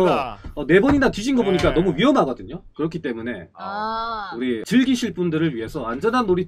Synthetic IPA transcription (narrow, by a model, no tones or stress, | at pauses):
ʌʌne̞bʌɲinatɥiɕʰinɡʌboɲik͈anʌmuɥiɦʌmɦaɡʌdɯɲokɯɾʌkʰit͈e̞mune̞̰ | uɾit͡ɕɯɭɡiɕʰiɭp͈undɯɾɯɭɥiɦe̞sʰʌand͡ʑʌnɦanːoɾi